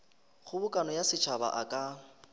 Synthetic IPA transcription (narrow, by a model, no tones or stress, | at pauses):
χʊbʊkʼanɔjasɪt͡ʃʰaba̰ʔakʼa